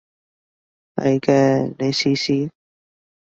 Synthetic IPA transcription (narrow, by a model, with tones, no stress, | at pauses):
nɐ̰˨˧˩kɛː˧ne˨˧siː˧siː˧